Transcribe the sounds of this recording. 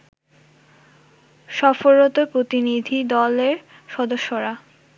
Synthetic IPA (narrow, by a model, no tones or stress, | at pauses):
ʃɔfoɾot̪opɾot̪inid̪ʱid̪ɔleɾ | ʃɔd̪oʃːoɾa